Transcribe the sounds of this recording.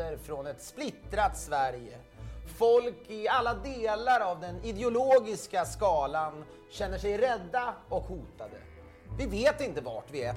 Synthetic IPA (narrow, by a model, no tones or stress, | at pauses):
əɾfɾɔnɛt̪splɪt̪ɾat̪svæɾjə | fɔlkɪalːad̪eːlaɾavd̪ɛnɪd̪ɛʊloːɡɪskaskɑːlan | ɕɛnːəʂɛjɾɛd̪ːaɔkhuːt̪ad̪ə̰ | vɪveːt̪ɪnt̪əva̰ʈvɪɛ